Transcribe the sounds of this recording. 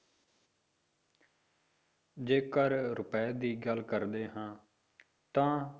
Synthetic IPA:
d͡ʒeːkəɾɾʊpɛːd̪iːɡəlkəɾd̪eːɦãː | t̪ãː

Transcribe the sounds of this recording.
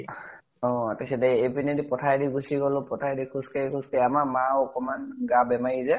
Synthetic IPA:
ɔ̃atasɛdɛepinedipɔtʰajdiɡusiɡɔlʊ̃pɔtʰajdikʰuskakʰuskajamamawɔkɔmanɡabɛmajizɛ

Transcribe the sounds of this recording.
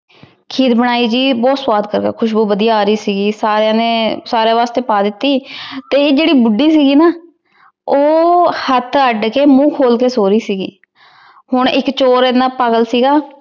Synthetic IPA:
kʰiːd̪bəɽaːiːd͡ʒiːbɔːt̪swaːd̪kəɾka̰ːkʰʊʃ̬buːbəd̪ijaːɾəiːsiːɡiːsaːɾeãːnẽːsaːɾeːʋaːst̪eːpaːd̪ɪt̪ːiːt̪eːd͡ʒeːɽiːbʊɖːiːs̬iːɡiːnaː | oːhət̪ʰəɖkeːmũːkʰoːlkeːsoːɾiːsiːɡḭː | hʊɳɪkt͡ʃoːɾenãːpəɡəlsiːɡaː

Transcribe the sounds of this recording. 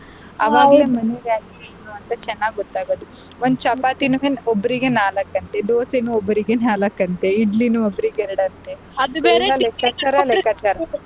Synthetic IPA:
ɐʋaːɡleːmɐneʋjaːkiɡeenuɐnt̪ɐt͡ʃɛnːaːɡɡɔt̪ːaːɡoːd̪u | ond̪ut͡ʃɐpaːt̪inuɦenobːɐɾiɡenaːlɐkːɐnt̪ed̪oːsenuobːɐɾiɡenaːlɐkːɐnt̪eiɖlinuobːɐɾiɡeɾɐɽɐnt̪e | ɛlːɐlɛkːat͡ʃɐɾɐlɛkːɐt͡ʃɐɾɐ

